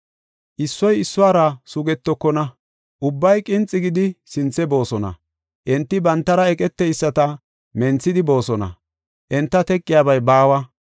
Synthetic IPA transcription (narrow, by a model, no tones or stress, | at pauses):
ʔɪsːɔjɪsːʊaːɾɐsʊɡɛt̪ːɔkːɔnɐ | ʔʊbːɐjkʼɪnt͡sʼːɪɡɪd̪ɪsɪnt͡sːɛbo̞ːsɔnɐ̰ | ʔɛnt̪ːɪbɐnt̪ːɐɾɐɛkʼɛt̪ːɛjsːɐt̪ɐ | mɛnt͡sːɪd̪ɪbo̞ːsɔnɐ̰ | ʔɛnt̪ːɐt̪ɛkʼːɪjaːbɐjbaːwɐ